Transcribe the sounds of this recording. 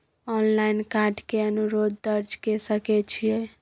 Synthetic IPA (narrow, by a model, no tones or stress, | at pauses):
ɔnlainkaɾɖkeənuɾod̪̚ːəɾd͡ʒkesəkɛt͡ʃʰijɛ